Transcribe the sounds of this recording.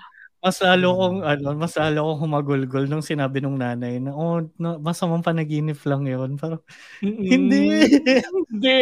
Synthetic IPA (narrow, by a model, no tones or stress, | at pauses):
mɐslaːlokoŋʔɐno̞mɐslaːlokoŋɦʊmɐɡʊlɡolnʊŋsɪnaːbɪnʊŋnaːnɐjnɐʔonɐmɐsɐmɐmpɐnɐɡiːnɪplɐŋjonpɛːɾo | hɪnd̪i